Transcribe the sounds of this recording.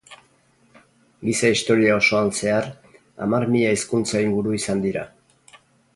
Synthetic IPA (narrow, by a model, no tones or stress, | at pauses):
ɡisaist̪o̞ɾiao̞so̞anse̞ar | a̰marmiʎaiskunt͡saiŋɡuɾuisand̪iɾa̰